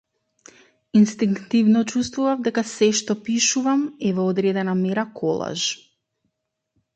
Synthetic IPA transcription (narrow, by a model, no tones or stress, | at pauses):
inst̪iŋkt̪ivnɔt͡ʃust̪vuvavd̪ɛkasɛʃt̪ɔpiʃuvamɛvɔːd̪ɾɛd̪ɛnamɛɾakʰɔlˠa̰ʒ